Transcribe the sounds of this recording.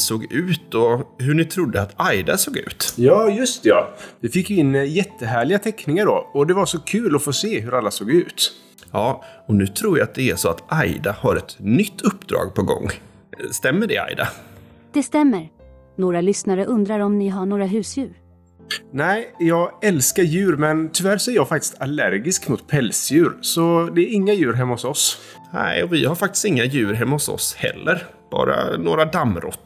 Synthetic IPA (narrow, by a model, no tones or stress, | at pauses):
soːɡʉ̟ːt̪ɔɦɵɳɪt̪ʰɾʊd̪ːəat̪ʰajd̪asoːɡʉ̟̰ːt̪jɑːjɵst̪ɛɑ̰vɪfɪkːjɵɪnːjɛt̪ʰːəɦæːɭɪɡat̪ʰɛkːnɪŋaɖɔ̰ɔd̪ɛvaɾʂɔkʰʉ̟ːlɔfoːseːɦɵɾalːasoːɡʉ̟ːt̪ | jɑːɔnʉ̟ːt̪ʰɾuːjaat̪̚d̪ɛæʂɔat̪ʔajd̪ahaɾɛt̪nʏt̪ʰːɵpːd̪ɾɑ̰ːɡ̚pʰɔɡɔ̰ŋː | st̪ɛmːəɖɛ̰a̰jd̪a̰ | d̪̥ɛst̪ɛmːəɾ | noːɾalʏsnaɾəʔɵnd̪ɾaɾɔmnɪɦaɳoːɾaɦʉ̟ːsjʉ̟ːɾ | næɪjɑːɡɛlskaɾjʉ̟ːɾmɛnt̪ʰʏvæɾʂɔæɾjɑːɡfakt̪ɪ̥st̪alæɾɡɪskmʊt̪pʰɛlsjʉ̟ːɾsɔd̪ɛːɾɪŋːajʉ̟ːɾɦɛmːahʊsɔs | næ̰ɪɔvɪhaɾfak̚t̪ɪ̥st̪ɪŋːajʉ̟ːɾɦɛmːahʊsɔ̰shɛ̰lːəɾ | b̥ɑ̰ːɾa̰noːɾad̪amːɾɔ̰t̪ː